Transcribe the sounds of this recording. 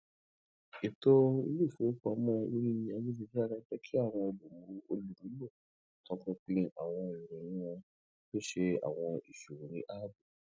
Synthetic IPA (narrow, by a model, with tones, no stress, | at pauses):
i˨to˦ḭ˧li˦˨fu˨˦k͡pa˧˦mɔ̃˦i˦ɾĩ˦nĩ˧a˧wi˦d͡ʒi˧d͡ʒi˦a˦˧ɾã˦d͡ʒɛ˦kʰi˦a˦˨w̃ɔ̃˧o˧lu˨mũ˨ɾu˧o˧lu˨ɾu˨˦lo˦˨ | kɔ̃˨˦kɔ̃˦k͡pĩ˦a˨w̃ɔ̃˧i˨ɾɛ̃˨ĩ˦wɔ̃˧ | be˦ʃe˧a̰˨w̃ɔ̃˧i˨ʃu˨ɾũ˨ɾĩ˨˦ʔa˦bu˦˨